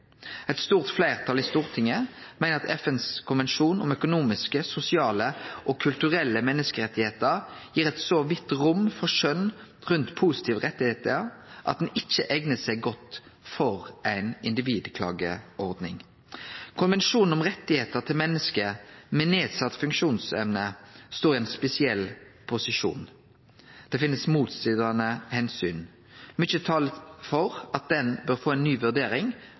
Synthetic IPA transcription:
ɛt̪st̪uːʁt̪flæɪʁt̪ʰɑlɪst̪uːʁt̪ʰɪŋːəmæɪnəʁɑt̪ʰɛfɛnskʰʊnʋɛnʃuːnʊmœkʊnuːmɪskəsʊsɪɑːləʔɔkʰʉlt̪ʉʁɛlːəmɛnːəskəʁɛt̪ːɪheːt̪əɾjiːʁɛt̪soːʋɪt̪ʁʊmfɔʁʂœnʁʉnt̪pʰuːsɪ̥t̪ʰiːʋʁɛt̪ːɪheːt̪əʔɑ̰t̪̚d̪ɛnɪt͡ʃːəʔɛɡnəsæɪɡɔt̪fɔʁʔæɪnɪnd̪ɪʋiːd̪kʰlɑ̰ːɡəʔɔʁd̪nɪ̰ŋ | kʰʊnʋɛnʃuːnn̩ɔmʁɛt̪ːɪheːt̪əʁt̪ʰɪlmɛnːəskəmɛneːd̪sɑt̪ːfʉŋkʃuːnsɛmnəst̪oːʁɪæɛnspɛsɪɛl | pʰʊsɪʂṵːn | d̪̥ɛfɪnːəsmuːt̪st̪id̪ɑnəhɛnsyːn | mʏt͡ʃːət̪ʰɑːləfɔʁʔɑt̪̚d̪ɛnbøʁfoːæɪnːyːʋʉʁd̪eːɾɪŋ

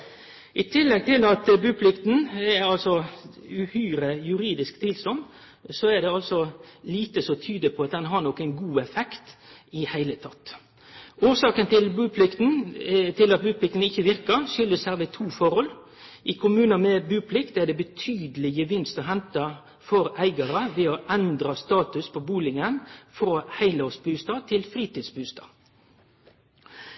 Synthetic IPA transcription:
ʔɪt̪ʰɪlːɛɡ̚t̪ʰɪlɑt̪bʉːpʰlɪkt̪n̩ɛɑlsɔʉhyːɾəjʉɾiːd̪ɪskt̪ʰɪlsɔm | sɔɛɖ̪ɛɑlsɔliːt̪əsɔt̪ʰyːd̪əpʰɔɑt̪̚d̪ɛnɦɑɾnɔkːæɪnɡuːɛfɛkt̪ɪhæɪlət̪ʰɑt̪ː | ʔuːsɑːkənt̪ɪlbʉːpʰlɪkt̪n̩t̪ʰɪlɑt̪̚bʉːpʰlɪk̚t̪n̩ɪçːəʋɪɾkəʃʏlːəshæɾʋət̪ʰuːfɔʁhɔl | ʔɪkʰʊmʉːnənmɛbʉːpʰlɪkt̪æʁd̪ɛbət̪ʰyːd̪əlɪɡəʋɪnst̪ɔɦɛnt̪ɑ | fɔɾæɪɡɑɾəʋɛɔʔænd̪ɾɑst̪ɑːt̪ʉspʰɔbuːlɪŋənfɔɾohæɪləɔsbʉːst̪ɑːt̪ʰɪlfʁiːt̪iːd̪sbʉːst̪ɑ̰ː

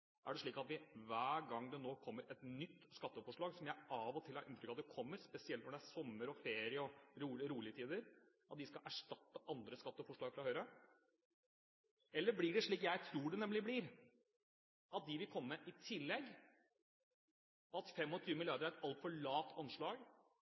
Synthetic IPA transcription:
ʔæ̰ɖɛʂɭiːkɑt̪ʋɪʋæːɾɡɑŋːd̪ɛnoːkʰɔmːəɾʔɛt̪nʏt̪ːskɑt̪ːəfɔʂɭɑːɡsɔmjæɪʔɑʋɔt̪ʰɪlhɑɾɪnt̪ɾʏkːɑt̪d̪ɛkʰɔmːəɾspɛsɪɛlt̪ʋɔɖɛæsɔmːəɾɔfeːɾɪəɔɾuːɾuːlɪət̪ʰiːd̪əɾʔɑt̪̚d̪ɪskɑʔæʂʈɑt̪ːəʔɑnd̪ɾəskɑt̪ːəfɔʂɭɑːɡfɾɑːhœʏɾə | ɛlːəblɪɖɛʂɭiːkjæɪt̪ʰɾuːɖɛnɛmlɪblɪɾ | ʔɑt̪̚d̪ɪʋɪlkʰɔmːəːəʔɪt̪ʰɪlːɛɡː | ɑt̪fɛmːɔt̪ʰyːʋəmɪljɑɾd̪əɾæɾɛt̪ɑlt̪fɔɭɑːt̪ʰɑnʂɭɑːɡ

